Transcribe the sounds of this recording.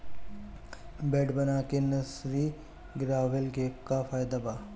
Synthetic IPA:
bɛːɖbɐnaːkenɐsɾi | ɡɾaːʋɪlɡekafʰaːjd̪abaː

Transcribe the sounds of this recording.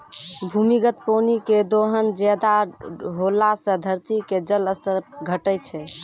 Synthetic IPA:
bʱumiɡət̪poniked̪oɦənd͡ʒɛd̪aɦolasə̃d̪ʱəɾt̪iked͡ʒələst̪əɾɡʱəʈət͡ʃʰɛ

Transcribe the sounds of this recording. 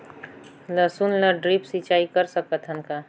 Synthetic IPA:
ləsunləɖɾipsit͡ʃaːikəɾsəkət̪ʰɦənka

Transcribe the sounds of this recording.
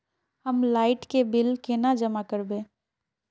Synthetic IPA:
həmlaːɪʈkebɪlkenad͡ʒəmakəɾbẽː

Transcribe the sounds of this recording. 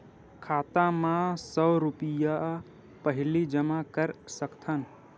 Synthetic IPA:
kʰat̪ãmãsəɾupija | pəɦɪlid͡ʒəmakəɾsəkt̪ʰən

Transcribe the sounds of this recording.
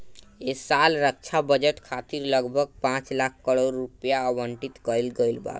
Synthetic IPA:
esalɾək̚t͡ʃʰabəd͡ʒəʈkʰat̪iɾləɡbʱəɡ̚pãt͡ʃlakʰːəɽoɾːupjaəʋəɳʈit̪kəilɡəjlba̰k

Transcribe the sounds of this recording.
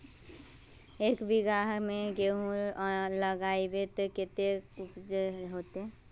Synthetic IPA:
eːkbiɡaɦmẽɡeɦũləɡaːibet̪ekɪt̪eupd͡ʒɦoːt̪ɦɛ̃

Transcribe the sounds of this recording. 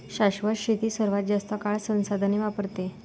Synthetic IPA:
ɕaɕʋəɕit̪iːsəɾʋat̪̚d͡ʑast̪əkaɭsə̃w̃sad̪ʱaneʋapəɾt̪e

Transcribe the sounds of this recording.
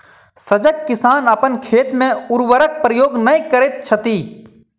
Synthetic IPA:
səd͡ʒəkːɪsaːnəpənkʰeːt̪mẽʊɾʋəɾək̚pɾəjoːɡnɐĩkəɾet̪̚t͡ʃʰət̪iː

